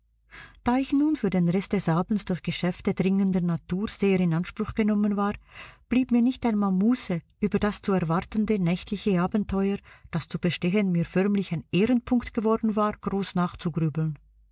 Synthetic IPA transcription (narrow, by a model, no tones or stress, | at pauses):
d̥aːɪçnuːnfyːɐdeːnʁɛstd̥ɛsʔaːbn̩sd̥ʊɐçɡ̥əʃɛftədʁɪŋəndənatʰuːʁz̥eːʁɪnanʃpʁ̥ʊxɡ̥ənɔmənvaːʁb̥liːpmiːɐnɪçtaɪnmaːlmuːsəʔyːbɐdast͡suɛɐʁvaʁtəndənɛçtlɪçəaːbn̩tʰɔʏəd̥ast͡sub̥əʃtɛçənmiːɐfœʁmlɪçaɪnʔeːʁənpʰʊŋktɡ̥əvɔɐdn̩vaːʁɡ̥ʁoːsnaːχt͡suɡʁyːbl̩n